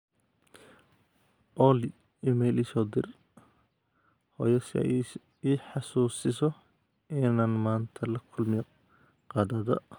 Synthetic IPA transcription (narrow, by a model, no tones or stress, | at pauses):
ʔɔːlɪ | ɪmɛjliːsɔːd̪ɪr | hɔjɐsɐ̰ | iːħɑsuːsɪsɔ | ʔɪnaːnmaːnt̪ʰɐlɐkʰʊlmɪj | qɑːd̪ɐðɐ̰